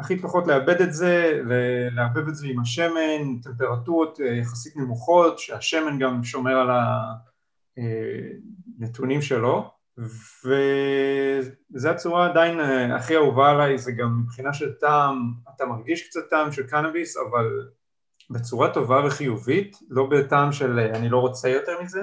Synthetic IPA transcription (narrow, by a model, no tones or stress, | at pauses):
aχipaχo̞tle̞abe̞d̪etze̞veleabevetzeimaʃe̞mente̞mpe̞ʁatuʁotjaχasitnemuχo̞tʃeaʃe̞me̞nɡamʃo̞me̞ʁala | e | netunimʃe̞lo̞ | ve | zeat͡suʁaːdainea̰χiauvalajzeɡamːibχinaʃeltamatamaɡɡiʃkt͡satːaːmʃe̞lkanabisa̰val | bet͡suʁato̞vave̞χijuvit | lo̞betaːmʃeleanilo̞ʁo̞t͡sejo̞te̞ʁmize